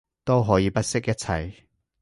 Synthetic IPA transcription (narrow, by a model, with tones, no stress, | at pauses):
t̪o˥wɦɔː˨˦jiː˨˧pɐ˥t̚sɪ˥k̚jɐ˥t̚t͡sʰa˧j